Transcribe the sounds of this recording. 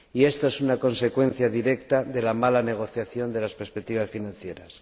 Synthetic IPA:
iest̪oesunako̞nse̞kwe̞n̟θjaðiɾe̞kt̪aðe̞lamalane̞ɣ̞o̞θjaθjo̞nd̪e̞laspeɾspek̚t̪iβ̞asfinãn̟θje̞ɾas

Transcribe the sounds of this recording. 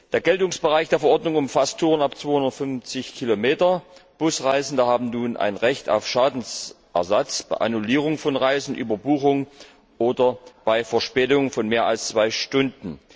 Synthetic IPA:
d̥eːɐɡɛltʊŋsb̥əʁaɪçd̥eːɐfɐʔɔɐdnʊŋʊmfastʰuːʁənapt͡sv̥oːhʊndɐtfʏnft͡sɪçkʰilomeːtɐb̥ʊsʁaɪzn̩dəhaːbm̩nuːnʔa̰ɪnʁɛçta̰ʊfʃaːdn̩s | ʔɛ̰ɐzat͡sb̥aɪʔa̰nuliːʁʊŋfɔnʁaɪzn̩ʔy̰ːbɐbuːxʊŋ | ʔoːdɐb̥aɪfɛɐʃpɛːtʊŋəfɔnmeːɐa̰lst͡sv̥aɪʃtʊndn̩

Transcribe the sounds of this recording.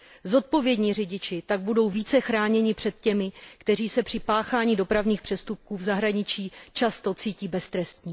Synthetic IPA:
zo̞t̪̚po̞vjɛdɲiːrɪɟɪt͡ʃɪt̪aɡ̚budo̞wviːt͡sɛxɾaːɲɛɲɪpr̥ɛt̪̚cɛmɪkt̪ɛriːsɛpr̥ɪpaːxaːɲiːdo̞pɾavɲiːxpr̥ɛst̪up̚kuːvzaɦɾaɲɪt͡ʃiːt͡ʃast̪o̞t͡siːciːbɛst̪ɾɛst̪ɲiː

